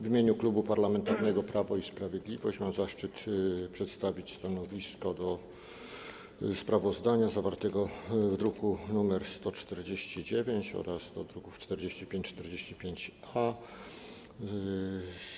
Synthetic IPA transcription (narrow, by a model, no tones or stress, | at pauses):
vimʲeɲuklubupaɾlamɛnt̪aɾnɛɡɔpɾavɔispɾavʲjed̪lʲivɔ̰ɕt͡ɕmamzaʂt͡ʂɘt̪pʂɛt̪st̪avʲit͡ɕst̪anɔvʲiskɔd̪ɔ | spɾavɔzd̪aɲazavaɾt̪ɛɡɔvd̪ɾukunumɛɾst̪ɔt͡ʂt̪ɛɾd͡ʑeɕt͡ɕid͡ʑevʲjeɲt͡ɕɔ̰ɾasd̪ɔd̪ɾukuft͡ʂt̪ɛɾd͡ʑeɕt͡ɕipʲẽɲt͡ɕt͡ʂt̪ɛɾd͡ʑeɕt͡ɕipʲjeɲt͡ɕ | a